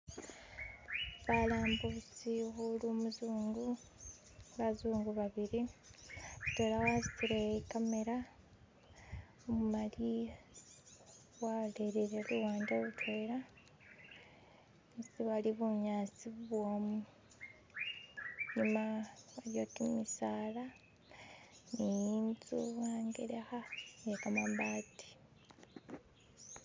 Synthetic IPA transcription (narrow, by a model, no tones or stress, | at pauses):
βalaːmbusiɣulumuzuːŋɡu | βazuːŋɡuβaβiɾi | βuteːlawasitiɾekame̞ɾa | omumali | waleɾeɾeluwaːndeβutʰweːla | siβwaliβuɲaːt͡siβuβwoːmu | ɲimawaɾjotimisaːla | nijint͡suwaːŋɡeɾexajekamambati̥